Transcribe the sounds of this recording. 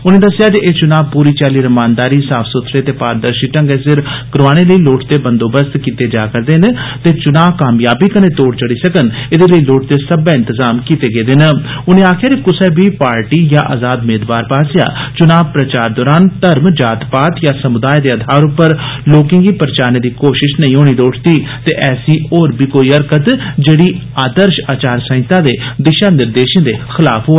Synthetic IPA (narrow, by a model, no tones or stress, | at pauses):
ʊnẽːd̪əsːɪjaːd͡ʒeʔeːt͡ʃʊnaːb̚puːɾiːt͡ʃaːliːɾəmaːnd̪aːɾiːsaːpʰsʊt̪ʰːɾeːt̪eːpaːɾd̪əɾʃiːʈə̃ŋɡeːsɪɾkɾaːñeːləiːloːʈt̪eːbənd̪oːbəst̪kiːt̪eːd͡ʒaːkəɾd̪eːnet̪eːt͡ʃʊnaːʋkaːmjaːbiːkənẽːt̪oːɽt͡ʃəɽiːsəkənɪd̪eːləiːloːʈ̚t̪eːsəbɛːɪ̃nt̪əzaːmkiːt̪eːɡeːd̪eːnəʊnẽːaːkʰɪjaːd͡ʒekʊsɛːbiːpaːɾʈiːjaːʔaːzaːd̪meːd̪ʋaːɾpaːsɪja̰ːt͡ʃʊnaːb̚pɾət͡ʃaːɾd̪ɔːɾaːnt̪əɾmd͡ʒaːt̪paːt̪jaːsəmʊd̪aːjd̪eːəd̪ʱaːɾʊpːəɾloːkɪ̃ŋɡiːpəɾət͡ʃaːɾneːd̪iːkoːʃɪʃnəĩːoːɽ̃iːd̪oːʈʰt̪iːt̪eːʔɛːsiːoːɾbiːkoːiːəɾkət̪d͡ʒeːɽiː | aːd̪əɾʃaːt͡ʃaːɾsə̃ɪ̃t̪ãːd̪eːd̪ɪʃaːnɪɾd̪eːʃẽːd̪eːxɪla̰ːpʰɦoː